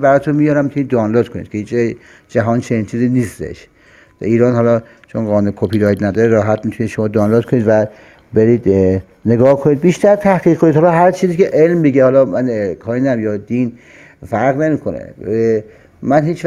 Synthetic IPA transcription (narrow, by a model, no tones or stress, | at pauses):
bæɾɒːt̪ʰunmijɒːɾæmit̪uniːd̪ːɒːnloːd̪̚kʰonḭd̪̥kʰehiːt͡ʃ | d͡ʒæɦɒːnt͡ʃʰeniːnt͡ʃʰiːziːniːst̪ḛʃ | iːɾɒːnhɒːlɒː | t͡ʃʰonɡɒːnuekʰopʰiːɾɒːj̪næd̪ɒːɾeɾɒːɦæt̪mit̪ʰuniːd̪ʃomɒːd̪ɒːnloːd̪kʰoniːd̪væ | beɾiːd̪ | ne̞ɡɒːhkʰoniːd̪̚biːʃt̪æɾt̪ʰæhɢiːɣkʰːonid̪hɒlɒɦæɾt͡ʃʰiːziːkeʔelmbiɡehɒːlɒːmænkʰɒːinæmjɒːd̪iːn | fæɾɣne̞miːkʰonḛ | mænɦiːt͡ʃv